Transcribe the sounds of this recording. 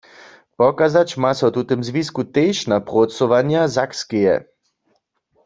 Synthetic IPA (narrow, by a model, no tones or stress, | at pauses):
pɔkazat͡ʃmasɛwt̪ut̪emzʋiskut̪ejʃnapʁosɔʋanjazakskejɛ̰